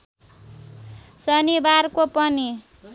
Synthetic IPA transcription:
sʌnibarkopʌni

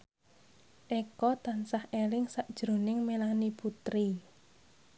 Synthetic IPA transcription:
ʔekɔt̪ansahelɪŋsaʔd̥ʒ̥ɾo̤nɪŋmelaniput̪ɾi

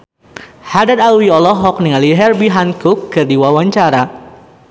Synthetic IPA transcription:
hadad̪alwiɔlɔɦɔk̚niŋaliɦɛrbiɦankʊkːɨrdiwawaɲt͡ʃaɾa

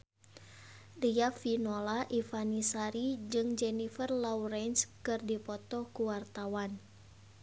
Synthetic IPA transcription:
riafinolaʔifanisaɾid͡ʒɨŋd͡ʒɛnifərlauɾɛnskɨrdipɔt̪ɔkuwart̪awan

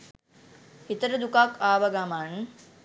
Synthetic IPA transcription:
hit̪ɐɾɐd̪ukaːkaːʋɐɡaman

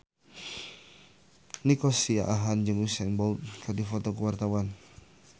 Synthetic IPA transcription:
nikɔsia̰ʔaɦand͡ʒɨŋwusɛnbɔlt̪̚kadifɔt̪ɔkəwart̪awan

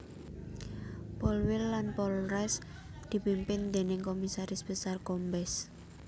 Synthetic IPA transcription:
pɔlwɪlːanpɔlrɛs | d̪̥i̤pimpɪnd̪e̤nɪŋkomisaɾɪsbəsarkɔmbɛs

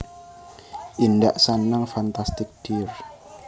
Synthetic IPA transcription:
ʔindaʔsanaŋfant̪ast̪ɪk̚d̥ir

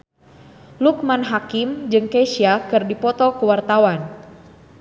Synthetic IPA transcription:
luk̚manɦakimd͡ʒɨŋkeʃiakɨrdipɔt̪ɔkəwart̪awan

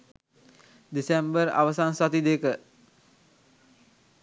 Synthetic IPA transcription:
d̪isembəɾa̰ʋəsansat̪id̪ekə

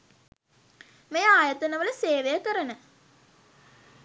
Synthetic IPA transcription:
mejaːjɐt̪ənəʋələseːʋejəkəɾənə

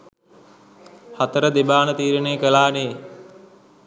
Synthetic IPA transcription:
hat̪əɾəd̪ebaːnət̪iːɾənejkəlaːneː

